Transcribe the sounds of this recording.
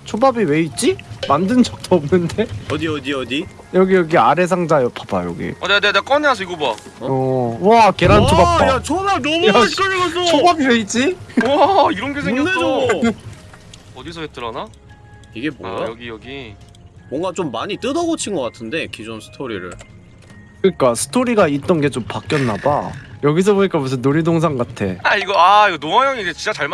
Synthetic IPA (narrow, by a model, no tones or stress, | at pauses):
t͡ɕʰobabiwe̞it͡ɕ͈imandɯnd͡ʑʌk̚t͈oːmnɯnde̞ʌdiʌdiʌdi | jʌɡijʌɡiaɾe̞s̬ʰaŋd͡ʑajʌpʰaba̰jʌ̰ɡḭaneaneaneak͈ʌneas̬ʰʌiɡoboa | ʌwake̞ɾanʰobat͈ajat͡ɕʰʌmanʌmuakeas̬ʰot͡ɕʰobabiweit͡ɕ͈iwaiɾʌnɡesʰeɡjneo | ʌdisʰʌɡet͈ɯɾana | iɡe̞bo̰aʌɡijʌɡi | mwʌŋɡat͡ɕomːaɲit͈ɯdʌɡot͡ɕʰinɡʌk͈atʰɯnde̞kid͡ʑonsʰɯ̥tʰoɾḭɾɯ̰ɭ | kɯɲik͈asʰɯ̥tʰoɾiɡait̚t͈ʌnɡe̞t͡ɕompak͈jʌnːaba̰jʌɡis̬ʰʌboɲik͈apus̬ʰʌnoɾidoŋs̬ʰaŋɡatʰe̞̰aiɡʌaiɡʌnoŋajʌŋid͡ʑet͡ɕint͡ɕ͈at͡ɕaɭm